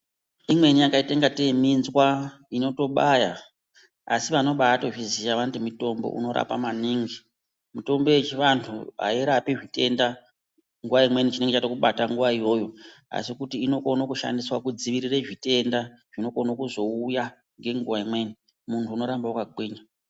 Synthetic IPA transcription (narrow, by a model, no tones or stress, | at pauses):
imwe̞nijakaiteŋɡateminzwa | ino̞to̞ɓaja | a̰siʋano̞ɓaato̞ʐiziʃaʋantimito̞mbo̰ʔṵno̞ɾa̰pamaniːŋɡi | mito̞mboet͡ʃiʋantʰṵa̰iɾapiʐite̞nda | ŋɡuʋaimwe̞nit͡ʃine̞ŋɡet͡ʃatokuɓataŋɡuʋaijo̞ːjo̞a̰sikutiːno̞ko̞nokuʃa̰ndiswakud͡ziʋiɾireʐite̞ndaʐ̥ino̞ko̞nokuzo̞uja | ŋɡe̞ŋɡuʋaimwe̞ːni | muntʰuːno̞ɾambaukaɡʱwiːɲa